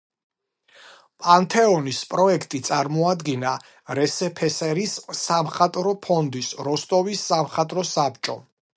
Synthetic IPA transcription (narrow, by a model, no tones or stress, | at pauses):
pʼant̪ʰɛɔnispʼɾɔɛkʰt̪ʼit̪sʼaɾmɔad̪ɡina | ɾɛsɛpʰɛsɛɾissamχat̪ʼɾɔpʰɔnd̪isɾɔst̪ʼɔvisːamχat̪ʼɾɔsap̚ʰt͡ʃʼɔ̰